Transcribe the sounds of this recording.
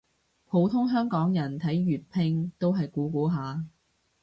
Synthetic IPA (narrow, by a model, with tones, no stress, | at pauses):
pʰo˨˧wt̪ʰʊ˥ŋɦœː˥ŋkɔː˨˥ŋjɐ˨˩nt̪ʰɐ˨˥jɥyː˨t̚pʰɪ˧ŋt̪o˥wɦɐ˨jkuː˨˥kuː˨˥ɦaː˨˧